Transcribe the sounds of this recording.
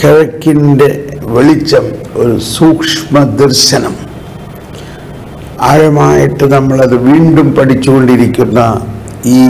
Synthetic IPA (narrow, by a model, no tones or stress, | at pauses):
keɻɐkːinde̞ʋeɭit͡ɕːɐm | o̞ɾusuːkʂmɐd̪ɐrɕɐnɐm | aːɻɐmaːjiʈːɨnɐmːɐɭɐðɨʋiːɳɖumpɐʈit͡ɕːuɣo̞ɳɖiɾikʲːunːɐ | iː